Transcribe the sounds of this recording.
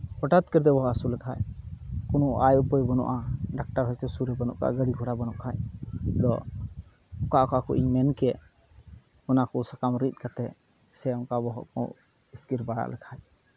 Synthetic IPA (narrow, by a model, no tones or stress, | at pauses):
pɔʈat̪kəɾd̪ɛbɔɦɔasulɛkʰajkunɔʔajupɔjbɔnɔ̰ʔaɖak̚ʈaɾɦɔjt̪ɛsuɾɛbənɔ̰ʔka̰ʔɡəɽikʰɔɽabənɔʔkʰajd̪ɔ | ɔkaʔkaakuʔḭɲmɛnkɛ | ɔnakɔsakamɾit̪̚kat̪ɛ | sɛɔŋkabɔɦɔ̰ʔkɔ̰̃ | iskiɾbaɽa̰ʔlɛkʰaj